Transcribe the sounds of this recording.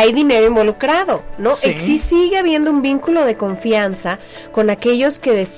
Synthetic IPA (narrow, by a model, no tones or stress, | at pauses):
ajðine̞ɾoimbo̞lukɾaðo̞no̞esisiɣeaβje̞nd̪o̞umbiŋkulo̞ðe̞ko̞ɱfjansa | ko̞nake̞ʝo̞ske̞ðe̞s